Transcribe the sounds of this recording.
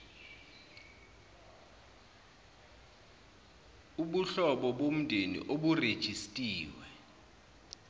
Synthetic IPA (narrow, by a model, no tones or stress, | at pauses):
uɓuɬɔɓɔɓom̩dʱenḭʔoɓured̥ʒ̥ʱistʼiːwɛ